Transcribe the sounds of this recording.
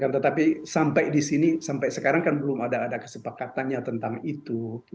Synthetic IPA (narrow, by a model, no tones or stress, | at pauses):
kant̪ət̪apisampajdisinisampajsəkaɾaŋkanbəlʊmadaːdakə̥səpakat̪anɲat̪ənt̪aŋit̪u